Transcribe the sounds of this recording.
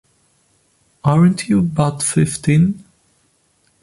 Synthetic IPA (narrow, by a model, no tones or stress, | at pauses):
ʔaɹə̃ntʰjuəbaʊtfɪftĩn